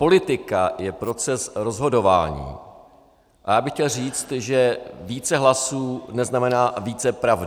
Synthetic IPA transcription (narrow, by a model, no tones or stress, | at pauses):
po̞lɪt̪ɪkajɛpɾo̞t͡sɛsɾo̞zɦo̞do̞va̰ːɲḭː | ʔajaːbɪxcɛlr̝iːt͡st̪ʒɛviːt͡sɛɦlasuːnɛznamɛnaːviːt͡sɛpɾavd